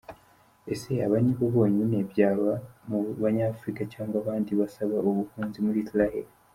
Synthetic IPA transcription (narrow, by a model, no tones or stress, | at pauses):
e̞se̞aβaniβo̞βo̞ːɲine̞βjaːβamuβaɲafuɾikacaːŋɡwaβaːndiβasaβaoβuhuːnzimuɾisiɾahe̞̰ɾi